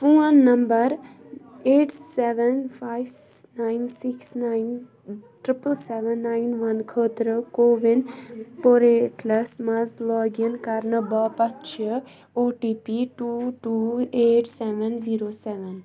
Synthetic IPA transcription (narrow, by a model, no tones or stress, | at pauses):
pũːənːɐmbəɾ | eːʈsɛʋənfaːjʋnaːɪnsiksnain | ʈɾɪpəlsɛʋənːaːinʋɐnkʰəːt̪ɾəkoːʋinpoɾeʈlɐsmɐzlɔːɡənkɐɾnəbɐpɐtːt͡ʃʰə | oːʈiːpiʈuːʈuːeːʈʰsɛʋənziːɾoːsɛʋən